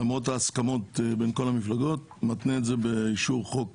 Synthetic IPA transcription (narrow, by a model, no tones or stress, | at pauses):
amʁot̬aːskamo̞tbenko̞lamiflaɡo̞t̚ | mat̪neːzebeiʃuʁχok̚